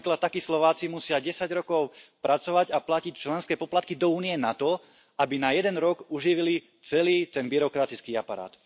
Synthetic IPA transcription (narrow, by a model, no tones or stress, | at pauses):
klat̪t̪ːakislɔʋaːt͡simusɪaɟɛsaɟɾɔkɔʊpɾʔat͡sɔʋaɟaplacict͡ʃlɛnskɛːpɔplat̪̚kid̪ɔuːniɛnat̪ɔ | abinajɛd̪ɛnɾɔɡuʒiʋili | t͡sɛliːt̪ɛnbiɾɔkɾat̪it͡skiːapaɾa̰ːt̪